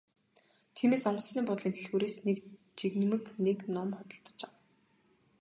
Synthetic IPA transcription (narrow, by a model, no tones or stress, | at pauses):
t̪ʰiːmeːsɔɴɢɞ̆sniːŋpɔt̪ɞ̆ɮint̪ɘ̆ɮɣuːɾeːsnek | t͡ɕiɣnmɘ̆kneknɔmχɔt̪ɞ̆ɬt̪ɞ̥̆t͡ɕaw